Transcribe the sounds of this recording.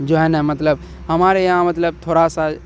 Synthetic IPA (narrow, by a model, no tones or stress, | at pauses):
d͡ʒoɦɛnɛmət̪ləb | həmaːɾejãmət̪ləb̚t̪ʰoːɾasa